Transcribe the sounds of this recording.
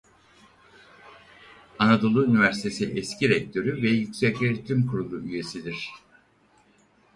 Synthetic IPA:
anad̪o̞lˠuynivæɾsit̪ʰe̞siʔɛscʰiɾɛc̚t̪ʰø̞ɾyvɛjycʲsɛcʲeɾt̪ʰːymkʰuɾulˠuʔyje̞sid̪iɾ̝̥

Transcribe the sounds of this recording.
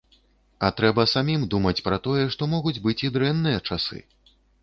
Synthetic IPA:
ɐt̪ɾɛbɐsamʲimd̪umɐt͡sʲpɾɐt̪ɔjɛʂt̪ɔmɔɣud͡zʲbɨt͡sʲid̪ɾɛnːɨjɐt͡ʂasɨ̰

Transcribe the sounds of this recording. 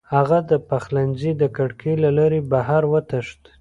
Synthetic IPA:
haɣad̪əpaxlanzid̪əkaɽkʰelalaɾebahaɾwət̪əʂt̪

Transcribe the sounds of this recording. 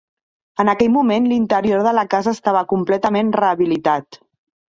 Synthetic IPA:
ənəkɛʎmumenlint̪əɾioɾðələkazəːst̪aβ̞əkumplɛt̪əmenrəːβilit̪at̪

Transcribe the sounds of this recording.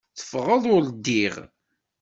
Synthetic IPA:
θə̥fʁəðˤʊld̪ːiʁ

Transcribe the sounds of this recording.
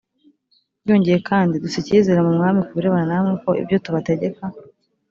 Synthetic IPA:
jo̞ːɲɟeje̞kaːndidusicizeɾamumŋaːmikuβuɾe̞βananamŋeko̞ʔḭbjo̞tuβate̞ɟe̞ka

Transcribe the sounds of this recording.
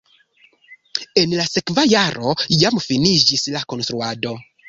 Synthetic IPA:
enlasekvajaɾo̞jamfinid͡ʒislako̞nst̪ɾuado̞

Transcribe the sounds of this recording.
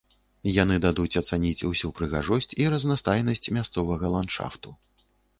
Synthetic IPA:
janɨd̪ad̪ut͡sʲɐt̪sanʲit͡sʲusʲupɾɨɣa̰ʐɔsʲt͡sʲiɾɐznast̪ajnɐsʲt͡sʲmʲast̪sɔvɐɣɐlˠanʂa̰ft̪u

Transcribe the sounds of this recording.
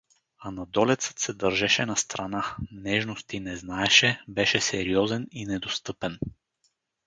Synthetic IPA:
anad̪ɔlɛt̪sɤ̥t̪sɛd̪əɾʒɛʃɛnast̪ɾananɛʒnost̪inɛznaɛʃɛbɛʃɛsɛɾiɔzɛninɛd̪ost̪ɤpɛn

